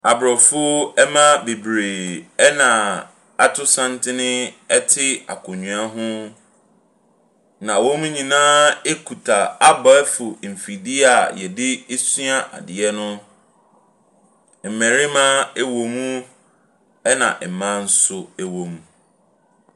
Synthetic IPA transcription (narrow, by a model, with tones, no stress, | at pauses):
a˨bɾɔ˨fʊ˦ɛ˦mã˦be˨bɾeː˨ɛ˦nã˨ | a˦tʰʊ˦sã˦ntɪ˦nɪ̃˦ɛ˦tʰɪ˦a̰˨kʰʊ̃˨ɲũ˨a˦ɦʊ̃˦ | nã˨wo˦mũ˦ɲĩ˨nãː˦e˦kʰu˨tʰa˨a˦bɔ˨ɛ˦fʊ˨m̩˨fi˨di˦a˨jɛ˨dɪ˦e˦sɥa˦ʔa̰˨dɪ˨ɛ˦nʊ̃˦ | m̩˨mɛ̃˨ɾɪ˦mã˦ɛ˦wõ˨mũ˦ | ɛ˦nã̰˨ʔɛ˨mã˦n̩˦sʊ˦ɛ˦wõ˨m˦